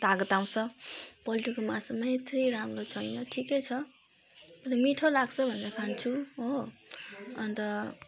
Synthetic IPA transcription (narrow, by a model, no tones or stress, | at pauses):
t̪aɡʌt̪aw̃sʰʌpʌliʈikomasʌmʌet̪ʰɾiɾamrot͡sʰʌjnʌʈʰikʌjt͡sʰʌ | mʌɾʌmiʈʰolaɡsʰʌbʱʌneɾʌkʰant͡sʰuɦo | ʌnt̪ʌ